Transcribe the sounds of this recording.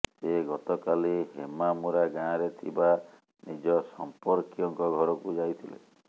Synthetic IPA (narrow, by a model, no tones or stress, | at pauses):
seɡɔt̪ɔkaliɦemamuɾaɡãɾet̪ʰiba | nid͡ʒɔsɔmpɔɾkijɔŋkɔɡʱɔɾɔkud͡ʒajt̪ʰilḛ